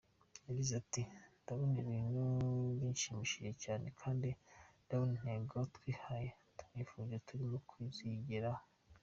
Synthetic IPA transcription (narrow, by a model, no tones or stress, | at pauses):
jaɟizatindaβoniβiːnuinʃimiːʃije̞caːne̞kʰaːndindaβonin̥heːŋɡotkwiːhaje | tu̥mifuːɲzetuɾimokʰwiziɟiɾa